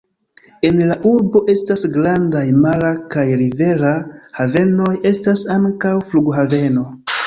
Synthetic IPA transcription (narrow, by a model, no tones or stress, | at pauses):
e̞nlaʔuɾbo̞ʔe̞stasɡɾandajmaɾakajɾive̞ɾahave̞no̞je̞stasaŋkawfluɡɦave̞no̞